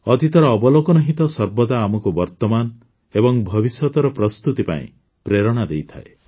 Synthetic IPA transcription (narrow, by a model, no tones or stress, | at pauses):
ɔt̪it̪ɔɾɔːbɔlokɔnɔɦit̪ɔsɔɾbɔd̪aːmɔkubɔɾt̪ɔman | ebɔŋbʱɔbisjɔt̪ɔɾɔpɾɔst̪ut̪ipa̰ḭ̃ | pɾeɾɔɽ̃ad̪ejt̪ʰa̰e